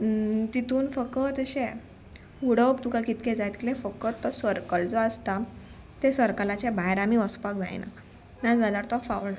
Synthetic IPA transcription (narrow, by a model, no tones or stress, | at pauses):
t̪it̪uːnfəkət̪əɕẽ | uɽəwpt̪ukakit̪ked͡zajt̪kilefəkːət̪ːɔsəɾkəld͡zɔast̪a | t̪esəɾkəlat͡ɕebajɾamiəspak̚d͡za̰jna̰ | nad͡zalaɾt̪ɔfaʋɭ